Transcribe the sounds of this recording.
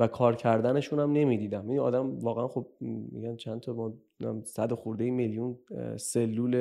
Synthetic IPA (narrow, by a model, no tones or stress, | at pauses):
vækʰɒːɾcʰæɾd̪æne̞ʃuːnæmne̞miːd̪iːd̪æminɒ̰ːd̪æmvɒːɣeænχob̚mːḭɟænt͡ʃʰænt̪ʰɒmɒː | æ̰msæd̪oxuɾd̪ejimeljunse̞lːuːle